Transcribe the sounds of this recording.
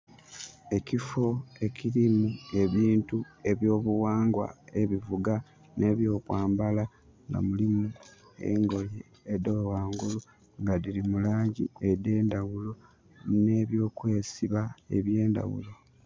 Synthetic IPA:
e̞cifo̞e̞ciɾimue̞βiːntue̞βjo̞ːβuwaːŋɡwa̰e̞βivuɡa | nʔe̞βjo̞ːkwaːmbala | ŋɡa̰mulimu | e̞̰ŋɡo̞jeː | dowwaːŋɡulu | ŋɡaðilimulaːɲɟḭede̞ːndawulo̞ | ne̞βjo̞ːkwe̞ːsiβaeβje̞ːnda̰wṵlo̞

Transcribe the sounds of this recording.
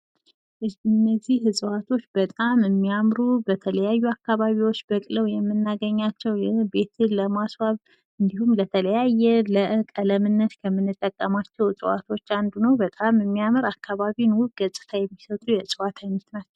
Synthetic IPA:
ɨnːəzːihɨzʼɨwat̪ʰo̞t͡ʃːbət̪ʼamɨmːijamɾubət̪ʰələjajːuakːaβaβiwo̞t͡ʃːbəkʼləwjɛmːɨnːaɡəɲːat͡ʃːɛwjɛbe̞t̪ʰɨləmaswaβ | ɨnd̪ihumlət̪ʰələjajːɛləʔkʼələmɨnːət̪kʰəmːɨnːɨt̪ʼːəkʼːəmat͡ʃːɛwsʼɨwa̰t̪ʰo̞t͡ʃːand̪unəwbət̪ʼamɨmːijaməɾakːaβaβinwuɡ̥əsʼɨ̥t̪ʰajɛmːisət̪ʼujɛsʼɨwat̪ʰaɲːɛt̪nat͡ʃːɛw

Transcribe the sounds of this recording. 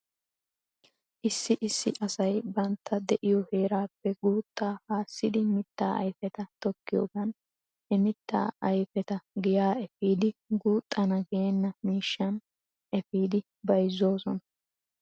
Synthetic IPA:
ʔɪsːɪʔɪsːɪ̰ʔɐsɐjbɐnt̪ʰːɐd̪ɛʔɪjɔheːɾaːpːɛɡuːt̪ʼːaːhaːsːɪd̪ɪmɪt̪ːa̰ːʔɐ̰jfɛt̪ɐt̪ɔkːɪjoːɡɐn | ɛmɪt̪ːa̰ːɐjfɛt̪ɐɡɪjaːɛfiːd̪ɪɡuːt̪ʼːɐnɐɡeɛnːɐmiːʃːɐn | ʔɛfiːd̪ɪ | bɐjzo̞ːsɔnɐ

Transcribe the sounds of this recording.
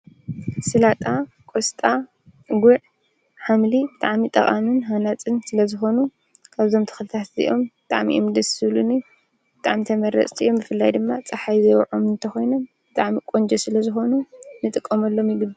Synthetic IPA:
sɨlat̪ʼa | kʼost̪ʼa | ɡuʕ | ħamlibɨt̪ʼaʕmit̪ʼɐχʼamɨnɦanat͡sʼɨnsɨlɐzɨxo̞nu | kʰaβt̪ʰo̞mt̪ʰɨ̥xɨlɨt̪ʰat̪zḭʔo̞mbɨt̪ʼa̰ʕmḭʔomd̪ɐsɨβluni | b̥ɨt̪ʼaʕmit̪ʰɐmɐɾɐ̰t͡sʼt̪ʰiʔombɨfɨlːajd̪ɨmːat͡sʼɐħajzɐjwʕomɨnt̪ʰɐxo̞jno̞mb̥ɨt̪ʼaʕmikʼond͡ʒɛsɨlɐzɨxo̞nunɨt̪ʼɨkʼːɐmɐlːo̞mjɪɡɨb

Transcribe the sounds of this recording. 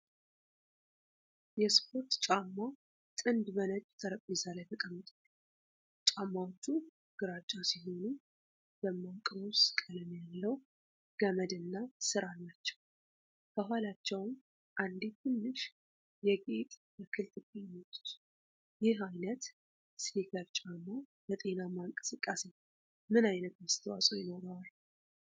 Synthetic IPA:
jɛspʰo̞ɾt̪t͡ʃʼamːa | t̪ʼɨnd̪bənəd͡ʒ̪t̪ʰəɾəpʼːizalajt̪ʰəkʼəmːɨt̪ʼa | t͡ʃʼamːawot͡ʃːu | ɡ̥ɨɾat͡ʃʼːasiɦo̞nu | b̥əmːawkʼəβəwsɨ̥kʼələmjalːəw | ɡ̥əməd̪ɨnːasɨɾalːat͡ʃːɛ̥w | kʰəɦʷwalat͡ʃːɛwm | ʔand̪it̪ʰɨnːɨʃ | jɛɡʼet̪ʼbəkʰɨlt̪ʼɨbimːət̪ʼːu̥t̪ | jɪɦajnət̪ | slikʰəɾt͡ʃʼamːabət̪ʼe̞namːaŋkʼɨsɨkʼːase̞ | mɨnajnət̪məst̪ʰəwasʼojɪno̞ɾal

